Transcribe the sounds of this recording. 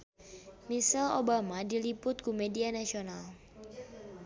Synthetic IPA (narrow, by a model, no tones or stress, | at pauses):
misɛlobamadilipʊt̪̚kumedianasional